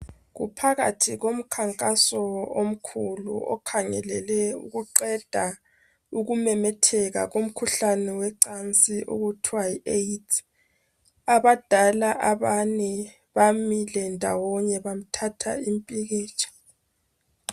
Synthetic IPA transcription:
ɣṵpʰaɣa̰tʰiɣom̩kʰaŋkʼasɔom̩kʰulṵʔɔ̰kʰaŋɛ̰lɛlɛṵɣuǃɛd̥ʱa | uɣumɛmɛtʰɛɣa̰ɣom̩kʰuɬanɛwɛǀant͡sʼiʔo̰ɣutʰwaietʰ | aβad̥ʱalaʔaβaɲɛ | βamilɛndʱa̰wɔɲɛβam̩tʰatʰa̰impʼiɣiːt͡ʃʰʼḁ

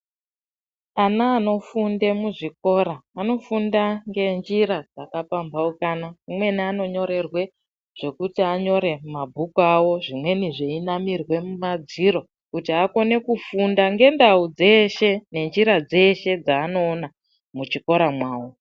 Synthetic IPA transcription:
anaːno̞funde̞muʐiko̞ɾaːno̞fundaŋɡe̞nd͡ʒiɾad͡zakapambaukanaumwe̞niano̞ɲo̞ɾe̞rwe̞ | ʐ̥e̞kutiaɲo̞ɾe̞mabʱukuawo̞ʐimwe̞niʐe̞inamirwe̞mumad͡ziɾo̞ | kutiako̞ne̞kufundaŋɡe̞ndaud͡ze̞ʃene̞nd͡ʒiɾad͡ze̞ʃe̞d͡zaːno̞ːna | mut͡ʃiko̞ɾamwaːwo

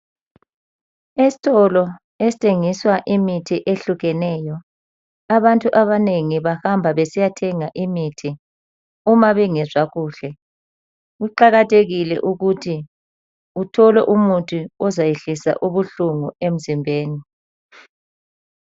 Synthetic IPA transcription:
esi̥tʰɔlɔ | esi̥tʰʼeŋiswaʔimitʰiʔeɬuɣɛnɛːjɔ | aβantʼuʔaβaneŋiβahambʱaβesijatʰɛŋaʔimitʰi | umaβɛŋɛzaɣuːɬɛ | ɣuǃaɣatʰeɣilɛ̰ʔuɣutʰi | utʰɔlɛʔumutʼuɔzajeɬisa̰ʔuβuɬuŋuem̩zimbʱeːni

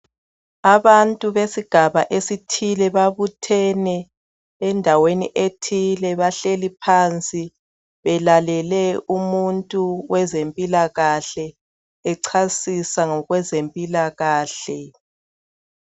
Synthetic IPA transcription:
aβantʼuβesiɡ̥ʱaβaʔesitʰilɛβaβutʰɛnɛː | ndʱawenḭʔetʰilɛβaɬelipʰant͡sʼi | βɛlalɛlɛumuntʼuwɛzempʼilaɣaɬɛː | ǀʰasisaŋɔɣwɛzempʼilaɣaːɬɛ

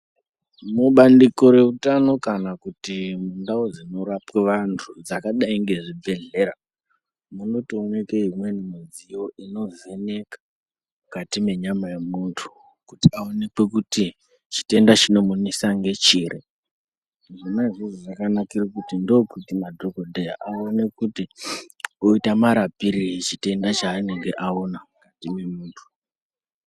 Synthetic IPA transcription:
muɓandiko̞ɾe̞utano̞kanakutimundaod͡zino̞ɾapweʋantʰud͡zakaɗaiŋɡe̞ʐibʱe̞ɮe̞ɾa | muno̞toːnekeɦimwe̞nimid͡zijo̞ʔino̞zene̞kḁ | mukatime̞ɲamajemuntʰu̥ | kutiaonekwekuti | t͡ʃi̥te̞ndat͡ʃino̞munisaŋɡe̞t͡ʃiːrʔe | ʐinaʐiziʐakanakirokutindokutimadʱokodʱeja̰ʔaonekuti | oitamaɾapiɾiit͡ʃite̞ndat͡ʃaːne̞ŋɡe̞ʔaonamkatime̞muːntʰu̥

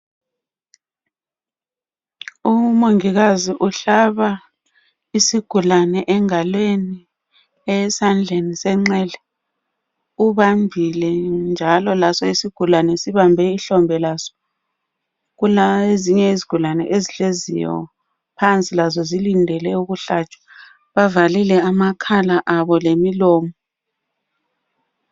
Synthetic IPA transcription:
umoŋiɣaziʔuɬaβa | isiɡ̥ʱulanɛʔɛŋalweni | ɛsand͡ɮʱenisɛŋ͡ǁɛlɛ | uβambʱilɛnd͡ʒʱalɔlasɔisiɡ̥ʱulanɛsiβambʱɛiɬɔmbʱɛlasɔ̥ | ɣuleziɲɛiziɡ̥ʱulanɛ̰ʔeziɬezḭjɔ̰ | pʰant͡sʼilazɔzilindʱɛlɛuɣuɬat͡ʃʼwḁ | βavalilɛamakʰalaʔaβɔlemilɔːmɔ

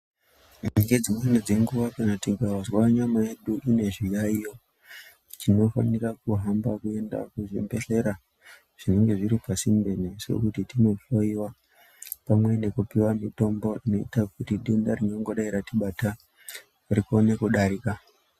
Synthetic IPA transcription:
eŋɡed͡zimwened͡ze̞ŋɡuʋakanatiɡawazwaɲamaje̞ɗuʔine̞ʐijaijo̞ | tino̞fa̰nirak̚uɦambakue̞nda̰kuʐimbe̞ɬe̞ɾa | ʐ̥ine̞ŋɡe̞ʐiɾipasimbe̞nesṵkutitino̞foiwa | pamwe̞ne̞kupiwamito̞mbo̞ino̞itakutiɗe̞ndarino̞ŋɡo̞ɗaiɾatiɓata | rikone̞kuɗaɾika

